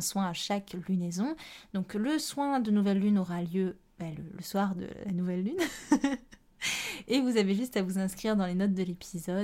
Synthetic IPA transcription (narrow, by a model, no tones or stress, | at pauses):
ɛ̃swɛ̃aʃaklynezɔ̃d̪̥ɔ̃kləswɛ̃d̪ənuvɛlːynɔʁaljø | bɛlə̰ləswaʁd̪ə̰lanuvɛlːyn | evuzaveʒyst̪avuzɛ̃skχiʁd̪ɑ̃lenɔt̪̚d̪əlepʰizɔd̪